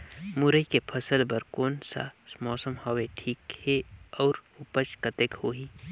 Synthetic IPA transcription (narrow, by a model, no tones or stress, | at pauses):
mʊɾəikepʰəsəlbəɾkoːnsa̰mɔːsəmhɔweʈʰiːkheɔːɾʊpət͡ʃkət̪ekhoːɦiː